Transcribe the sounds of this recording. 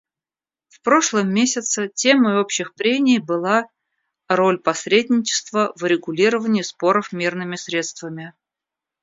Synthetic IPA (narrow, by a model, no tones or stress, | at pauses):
fpɾo̞ʂlˠəmːʲesʲɪt̪sətʲeməo̞pɕɪxpɾʲenʲɪjbɨlˠa | rolʲpɐsɾʲedʲnʲɪt͡ɕɪ̥st̪vəvʊɾʲɪɡʊlʲiɾəvənʲɪːspo̞ɾəfmʲirnɨmʲɪsɾʲe̞t̪st̪vəmʲɪ